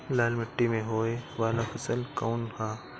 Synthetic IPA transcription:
laːlmɪʈːimẽɦoːeʋaːlafʰɐsəlkaːnt̪ʰaː

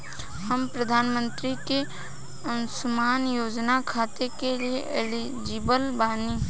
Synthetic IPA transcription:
həmpɾəd̪ʱaːnmə̃nt̪ɾike | ənsʊmaːnjoːd͡ʒnakʰaːt̪ekelieʔɪli | d͡ʒɪbəlbaːni

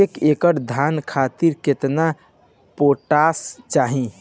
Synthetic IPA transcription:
ekekəɽd̪ʱankʰat̪iɾket̪na | poʈast͡ʃaɦĩ

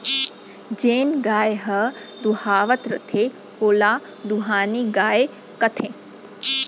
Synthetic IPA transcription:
d͡ʒeːnɡaːjeɦɐd̪uhaːʋət̪ɾɐ̰t̪ʰe | hoːla | d̪uɦaːniɡaːe | kɐt̪ʰẽ

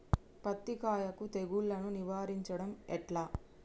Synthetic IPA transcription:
pɐt̪ːikaːjɐkut̪eɡuɭːɐnuniʋaːɾiɲt͡ʃɐɽɐmɛʈlaː

